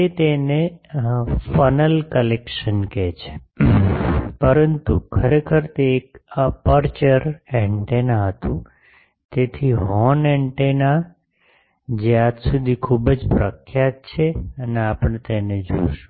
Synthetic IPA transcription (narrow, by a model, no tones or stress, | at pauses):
et̪ene | fənəlkəlekʃənket͡ʃʰe̥ | pəɾənt̪ukʰəɾekʰəɾt̪eːkəpəɾt͡ʃəɾɛ̃ɳʈenaɦət̪ũ | t̪et̪ʰiɦɔneɳʈena | d͡ʒjead̪sud̪ʱikʰubəd͡ʒpɾəkʰjat̪̚t͡ʃʰeəneapəɳ̃et̪ened͡ʒo̰ʃũ̥